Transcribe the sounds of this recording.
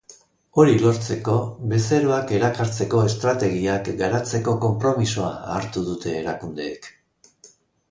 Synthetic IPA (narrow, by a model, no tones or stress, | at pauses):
o̞ɾilo̞ɾt͡se̞ko̞βe̞se̞ɾoake̞ɾakaɾt͡se̞ko̞e̞st̪ɾat̪e̞ɣ̞iakɡaɾat͡se̞ko̞ko̞mpɾo̞miso̞aːɾt̪uðut̪ʰe̞ːɾakund̪e̞ːk